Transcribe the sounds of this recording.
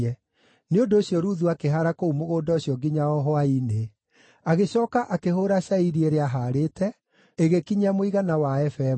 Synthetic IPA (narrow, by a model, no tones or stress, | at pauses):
ɛ | neondoːɕjɔɾuðuakeɦaɾakoumoɣoːdɔoɕjɔɡiɲaɔɦɔaine | aɣeɕɔːkaʔakeɦoːɾaɕaiɾieɾeaɦaɾetɛ | eɣekiɲamoiɣanawaɛfɛ